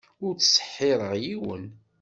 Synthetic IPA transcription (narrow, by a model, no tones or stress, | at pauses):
ʊɾt͡sːsə̥ħːɪɾˤəʁjiwə̰n